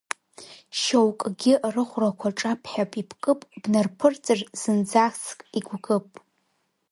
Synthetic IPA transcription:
ʃowkʼɡʲɪrɨχʷrakʷʰaʈ͡ʂʼapʰħapʼipʰkʼɨpʼb̥nɨrpʰɨrt͡sʼɨrz̥ɨnd͡zaskʼiɡʷɡɨpʼ

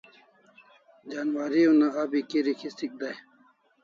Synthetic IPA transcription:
d͡ʑaːnwaːɾiunaabikiɾikʰist̪ik̚d̪aj

